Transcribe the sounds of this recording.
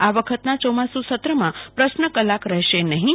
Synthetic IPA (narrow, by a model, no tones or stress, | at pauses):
aʋəkʰət̪nat͡ʃomasũsət̪ɾəmãpɾəʃnəkəlakɾɛɦʃenəɦĩ